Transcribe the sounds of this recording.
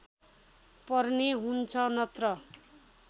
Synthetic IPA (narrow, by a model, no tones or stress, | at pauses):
pʌrneɦunt͡sʰʌnʌt̪rʌ